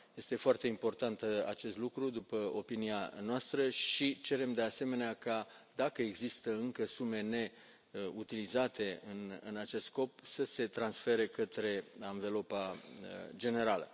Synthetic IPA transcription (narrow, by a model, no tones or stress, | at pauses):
je̞st̪e̞foart̪e̞impo̞rt̪ant̪a̰t͡ʃe̞st̪lukɾud̪upəo̞pinia̰noast̪ɾəʃit͡ʃe̞ɾe̞md̪e̞ase̞me̞neakad̪akəeɡzist̪əɨŋkəsume̞ne̞ | ut̪ilizat̪e̞ɨnɨ̰nat͡ʃe̞st̪sko̞p̚səse̞t̪ɾansfe̞ɾe̞kət̪ɾe̞aɱve̞lo̞paəd͡ʒe̞ne̞ɾalə̰